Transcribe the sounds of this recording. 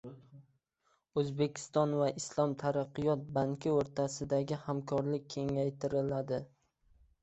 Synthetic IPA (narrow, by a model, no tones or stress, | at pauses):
ɵzbe̞kʲʰɪ̥st̪ɒnvaʔɪslˠɒmt̪ʰaɾaqːɨjɒt̪̚baŋkʰʲɪoɾt̪ʰasɪd̪aɡʲɪhamkʰɒɾlɪk̚ʲʰːe̞ŋajt̪ʰɪɾɪlad̪ɪ